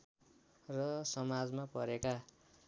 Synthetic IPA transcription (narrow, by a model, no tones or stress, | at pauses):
rʌsʌmad͡zmapʌɾeka